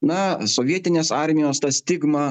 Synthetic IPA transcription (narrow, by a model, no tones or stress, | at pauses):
nɐsoːʋʲiɛt̪ʲɪnʲeːsɑɾʲmʲɪjoːst̪ɐsʲt̪ʲɪɡmɐ